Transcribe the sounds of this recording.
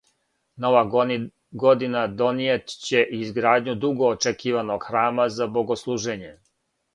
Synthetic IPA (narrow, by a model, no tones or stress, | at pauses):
noʋa | ɡod̪inad̪o̞nijet̪t͡ɕe̞ʔizɡɾaːd̪ɲud̪uɡo̞ːt͡ʃekiːʋanoɡ̥xɾaːmazabo̞ɡo̞slˠuːʒeɲe̞